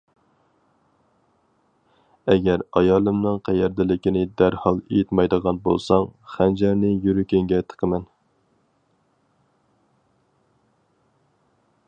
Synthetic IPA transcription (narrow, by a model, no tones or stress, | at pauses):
ɛɡʲæɾɑjɑːlˠɨmnɨŋqʰæjɛɾd̪ɪlɪkʲinɪd̪æɾhɑlˠejit̪mɑjd̪əʁɑnbo̰lˠsɑŋχænd͡ʒæɾnɪjyɾykʲeŋɡʲɛt̪ʰə̥qʰəmɛn